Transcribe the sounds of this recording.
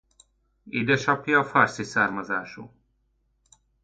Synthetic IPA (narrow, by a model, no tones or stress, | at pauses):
id̪ɛʃapʰjafaɾsisaɾmazaːʃṵ